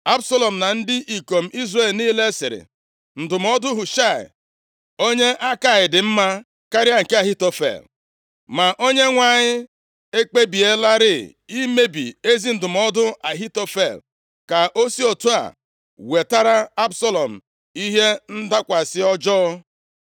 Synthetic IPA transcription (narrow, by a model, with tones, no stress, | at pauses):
a˦bsa˦lɔ˨m̩˨na˨n̩˦dɪ˦ʔi˨ko˨m̩˨˦ʔi˦zre˨lniː˦le˦sɪ̰˨ɾɪ̰˨ | n̩˨dʊ˨m̩˦ɔ˦dʊ˦ɦʊ˨ʃa˦˨ɪ̰˨ | o˦ɲe˦ʔa˦ka˨ɪ˨dɪ˨m̩˦ma˦ | ka˦ɾɪ˦a˦ŋ̩˨ke˦a˨ɦi˦to˨fḛ˨l | ma˨ʔo˦ɲe˦ŋʷa˨ɲɪ˦ | e˦k͡pe˦bi˨e˦la˦ɾɪ˦˨ | i˦me˦bḭ˨e˦zi˦n̩˦˨dʊ˨m̩˨ɔ˦dʊ˦a˨ɦi˦to˦fe˨l | ka˨ʔo˦si˦o˨tu˦a̰˨ | we˨ta˦ɾa˦a˦bsɔ˦lɔ˨m̩˨ | i˦ɦe˦n̩˦da˦kʷa˨sɪ˦ɔ˦d͡ʒɔː˦